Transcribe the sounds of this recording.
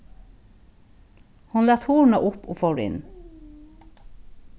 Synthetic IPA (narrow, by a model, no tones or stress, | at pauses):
hɑnlɑːt̪huːɳɑʔʊpoːfɔɹɪ̰n